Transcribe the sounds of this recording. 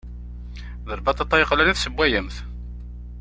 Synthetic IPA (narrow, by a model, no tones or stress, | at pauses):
ðəɾˤbɑt̪ˤɑt̪ˤːɑjəqːlæniθsəbʷːæjəmθ